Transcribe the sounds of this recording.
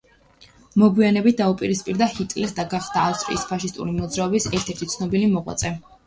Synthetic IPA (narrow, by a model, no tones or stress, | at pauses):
mɔɡwianɛbit̪̚ʰd̪aupʼiɾispʼiɾd̪ahit̪ʼlɛsd̪aɡaχd̪aːfst̪ʼɾḭːspʰaʃist̪ʼṵɾimɔd̪zɾaɔbisɛɾt̪ʰɛɾt̪ʰit̪sʰnɔbilimɔʁwa̰t̪sʼɛ